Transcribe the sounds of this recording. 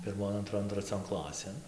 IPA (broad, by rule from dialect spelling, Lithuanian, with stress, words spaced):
pʲɪrˈmoːn ɐnˈtroːn trɐˈt͡sʲoːn ˈklˠɑːsʲeːn